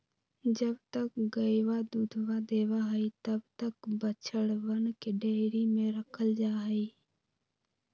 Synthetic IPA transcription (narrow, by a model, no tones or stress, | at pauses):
d͡ʒəbt̪əkɡəɪʋad̪ud̪ʱʋad̪eːʋaɦəit̪əbt̪əkbət͡ʃʰəɽʋənkeɖeːɾimẽɾəkʰəld͡ʒaːɦəiː